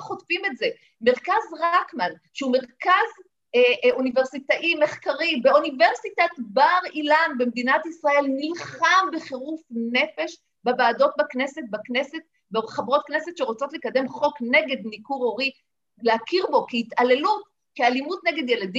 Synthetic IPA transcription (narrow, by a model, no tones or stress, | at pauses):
χotfime̞tze̞ | meʁkazʁakmanʃeume̞ʁkaz | unive̞ʁsit̪aʔime̞χkaʁibeunive̞ʁsitat̪baʁilanbe̞md̪inat̪isʁae̞lnilχambeχeʁufne̞fe̞ʃ | babaːdo̞t̚bakne̞set̚bakneset̚ | beχabʁo̞t̪̚knese̞t̪ʃeʁot͡so̞t̪lekad̪e̞mχo̞kne̞ɡed̪nikuʁo̞ʁi | leakiʁbo̞kiit̪ale̞lut | kialimut̪neɡe̞d̪je̞ladi